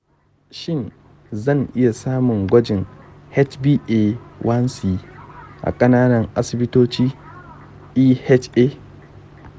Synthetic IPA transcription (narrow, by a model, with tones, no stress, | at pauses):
ʃɪ˦˨n | zɐ˦˨ŋʔɪ˦ja˨saː˦mʊ˨ŋɡʷɐ˦d͡ʒɪ˨ŋhɛ˦t͡ʃbiː˦ʔe˦˨wʔɐ˦nsiː˨ʔa̰˨kʼɐ˦naː˦nɐ˨ŋʔa˦sɪ˨bɪ˦toː˦t͡ʃiː˦ | ʔiː˦hɛ˦t͡ʃʔeː˦